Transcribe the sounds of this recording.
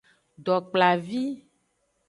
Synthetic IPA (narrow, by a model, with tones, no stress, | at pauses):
ɖɔ˨k͡pla˨vi˦